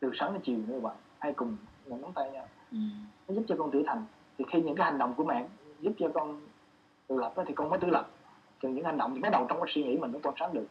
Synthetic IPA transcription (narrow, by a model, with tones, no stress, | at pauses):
t̪ɨ˨˩səː˨˦nnɔ˨˦t͡ɕi˨˩˨n˧ɓa̰ː˧˨nʔaː˧jkʊ˨˩ŋ͡mmɔ̰˧˩nɔ˨˦ŋ͡mt̪a˧jɲaː˧ | nɔ˨˦zu˦˥p̚t͡ɕɔ˧kɔ˧nt̪ɨ̰˧˩ət̪ʰa˨˩jŋ̟ | t̪ʰi˨˩xi˧ɲɨ̰˧˥ŋkaː˨˦ha˨˩ŋ̟ɗə̰˧˨wŋ͡mku˧˩əma̰ː˧˨nzu˦˥p̚t͡ɕɔ˧kɔ˧n | t̪ṵ˧˩lə˨˩p̚ʔə˨˦t̪ʰi˨˩kɔ˧nməː˨˦jt̪ɨ˧˦lə˨˩p̚ | kə˨˩ɲɨ̰˧˥ŋha˨˩ŋ̟ɗə̰˧˨ŋ͡mt̪i˨˩ma˨˦˥jɗə˨˩wt͡ɕɔ˧ŋ͡mkaː˨˦swi˧ŋḭ˧˥m̟˨˩mə˧˦twaː˧nsaː˨˦nɗɨ˨˩ək̚